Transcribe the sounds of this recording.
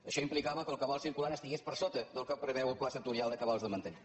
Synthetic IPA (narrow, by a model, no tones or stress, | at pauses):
əʃɔimplikaβəkəlˠkəβalˠsiɾkulanəst̪iɣespəɾsot̪əðəlˠkəpɾəβɛwəlˠklasət̪uɾialˠd̪əkəβalˠzðəmənt̪əni